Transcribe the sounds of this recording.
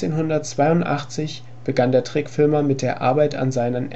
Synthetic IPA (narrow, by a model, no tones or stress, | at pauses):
eːnɦʊndɐtt͡sv̥aɪʊntʔa̰χt͡sɪç | b̥əɡandeːɐtʁ̥ɪkfɪlmɐmɪt̚d̥eːɐʔa̰ɐbaɪta̰nzaɪnən